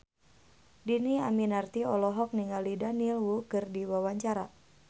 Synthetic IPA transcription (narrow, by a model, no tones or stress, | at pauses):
diniaminart̪iɔlɔɦɔk̚niŋalidanilwukɨrdiwawaɲt͡ʃaɾa